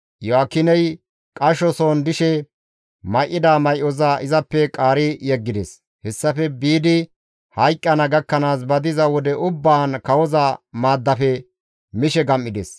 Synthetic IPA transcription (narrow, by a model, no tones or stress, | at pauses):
jɔakːɪnɛj | kʼɐʃɔsoːnd̪ɪʃɛ | mɐjʔːɪd̪aːmɐjʔɔzaːʔɪzɐpːɛkʼaːɾɪjɛɡːɪd̪ɛs | hɛsːɐfɛbiːd̪ɪ | hɐjkʼːɐnɐɡɐkːɐnaːs̬bɐd̪ɪzɐwɔd̪ɛʔʊbːaːnkɐwɔzamaːd̪ːɐfɛ | mɪʃɛɡɐmːɪd̪ɛ̰s